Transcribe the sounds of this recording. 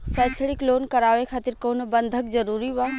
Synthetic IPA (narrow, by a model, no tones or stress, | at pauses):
sɛːt͡ʃʰəɽɪkloːnkɐɾaːʋekʰaːt̪ɪɾkoːnbɐ̃nd̪ʱəkzɐɾuːɾiʋaː